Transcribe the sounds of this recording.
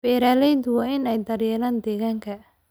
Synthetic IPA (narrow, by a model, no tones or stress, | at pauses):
b̥ɛːɾaːlɛjt̪ʊwɑːɪnɛjd̪ɐrjɛːɾaːnd̪ɛːɣaːŋkʰɐ